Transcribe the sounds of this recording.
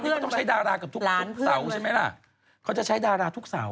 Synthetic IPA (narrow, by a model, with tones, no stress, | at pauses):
ɯ˦˥˩t̪ɔ˥˩ŋt͡ɕʰa˦˥jdaː˧ɾaː˧ka˨˩t̪ʰuː˦˥˦n˥k̚ʰsa˧˩˦wt͡ɕʰa˥˩ma˦˥jla̰˧˩ | kʰa˦˥wt͡ɕa˨˩t͡ɕʰa˦˥jdaː˧ɾaː˧t̪ʰu˦˥k̚sa̰˨˩˦w